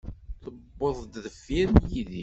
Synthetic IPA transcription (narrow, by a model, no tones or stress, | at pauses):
θəbːoðˤd̪ðəfːiɾnjiði